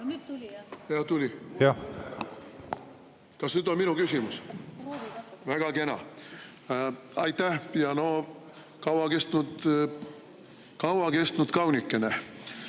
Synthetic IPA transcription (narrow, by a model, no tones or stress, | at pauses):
jɑht̪ulʲijɑ | kɑsnyd̪onminukysimus | væɡ̥ɑke̞nɑ̰ | ɑjt̪ːæhjɑno̞ | kɑwɑke̞st̪nud̪ | kɑwɑke̞st̪nud̪kɑwnikːˑene